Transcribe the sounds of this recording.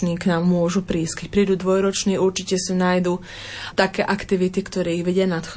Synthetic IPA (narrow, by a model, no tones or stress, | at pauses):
ɲiːknaːmːʊɔʒupɾiːskɛc̚pɾiːd̪uːd̪ʋɔjɾɔt͡ʃniːuɾt͡ʃicɛsinaːjd̪uː | t̪akɛːʔakt̪iʋit̪ikt̪ɔɾɛːiɣʋɛɟɪanat̪x